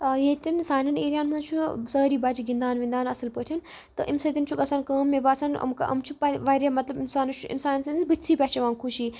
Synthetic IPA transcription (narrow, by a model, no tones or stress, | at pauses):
jet̪insaːnɐneːɾijaːnmɐt͡ʃʰusɐːɾiːbaːd͡ʒiɡind̪aːnʋĩnd̪aːnɐsɐlpəʈʰɐn | t̪ɨʔimsɐt̪int͡ʃʰukɐsankəːmːebaːsɐnɐ̰mkɐ̰ʔɐ̰mt͡ʃʰupɐʋaɾamɐt̪lɐbinsaːnut͡ʃʰuʔḭnsaːnnsɐnd̪isbɨt̪ʲsʰiːpʲɛt͡ʃʰɐʋãːŋkʰuʃiː